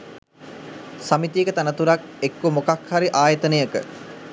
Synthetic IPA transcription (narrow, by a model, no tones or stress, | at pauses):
samit̪ijəkət̪anət̪uɾak̚ekːumokakhaɾiʔaːjət̪ənəjəkə̰